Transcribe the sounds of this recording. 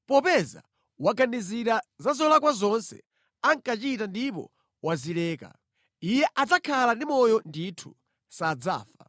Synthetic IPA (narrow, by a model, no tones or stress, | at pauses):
pɔpɛza̰ | waɡaniziɾazazɔlak̬wazɔnsɛ̰ | aŋkat͡ʃitandipɔ̰ | wazilɛːka̰ | ijɛʔad͡zakʰalandimɔjɔnditʰu̥ | sad͡za̰ːfa